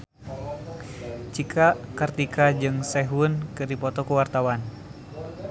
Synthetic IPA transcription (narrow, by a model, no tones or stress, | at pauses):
t͡ʃikʰakərt̪ikʰad͡ʒɨŋsɛɦunkɨrdipɔt̪ɔkuwart̪awan